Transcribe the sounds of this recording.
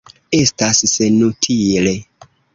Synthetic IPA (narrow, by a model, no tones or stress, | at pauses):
e̞stasːenutʰile